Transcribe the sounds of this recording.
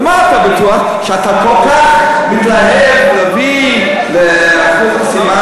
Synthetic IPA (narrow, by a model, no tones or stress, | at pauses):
maːt̪abat̪uaχ | ʃeat̪akolkaχ | mit̪laɦevʁavi | leatkutasima